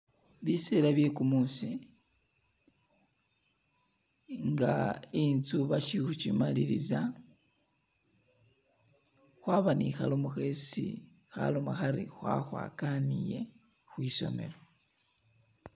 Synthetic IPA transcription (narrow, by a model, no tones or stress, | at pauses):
βiselaβje̞kumuːsi | ŋɡaint͡suβaʃixut͡ʃimaliɾiza | xwaβanixalomuxe̞sḭ | xa̰lomaxaɾixwa̰xwa̰ːkanije̞ | xwiːso̞̰me̞̰lo